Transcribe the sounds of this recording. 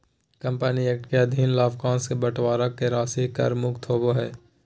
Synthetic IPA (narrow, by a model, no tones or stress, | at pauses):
kɐ̃mpənieːk̚ʈkeɐd̪ʱiːnlaːbkãːnskebəʈʋaːɾakːeɾaːsikɐ̰ɾmʊkt̪ʰɦoːboɦɛː